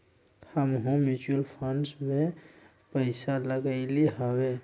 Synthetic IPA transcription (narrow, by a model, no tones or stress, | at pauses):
həmɦõmut͡ʃuəlpʰənɖsmẽ | pəɪsaləɡaɪliɦawe